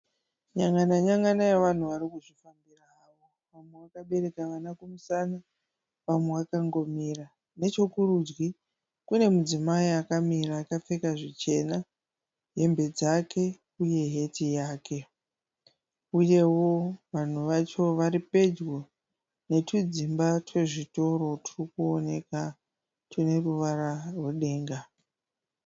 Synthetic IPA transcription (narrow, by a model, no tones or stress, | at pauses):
ɲaŋɡanaɲaŋɡanajeʋan̤uʋaɾikuʐifambiraːʋo̞ | ʋamweʋakaɓe̞ɾe̞kaʋanakumusana | ʋamwe̞ʋakaŋɡo̞mira | ne̞t͡ʃo̞kurud͡ʒɡi | kune̞mud͡zimaiakamiraːkap͡fe̞kaʐit͡ʃe̞na | ɦe̞mbe̞d͡zakʰe̞ | uje̞ɦe̞tijaːkʰe̞ | uje̞wo̞ʋan̤uʋat͡ʃo̞ʋaɾipe̞d͡ʒwo̞ | ne̞tʰud͡zimbatwe̞ʐito̞ɾo̞turikuone̞ka | tune̞ruʋaɾarwe̞ɗe̞ːŋɡa